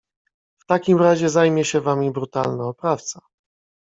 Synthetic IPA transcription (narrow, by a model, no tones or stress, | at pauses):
ft̪akʲimɾaʑɛzajmʲjɛɕɛvamʲibɾut̪alnaɔpɾaft̪sa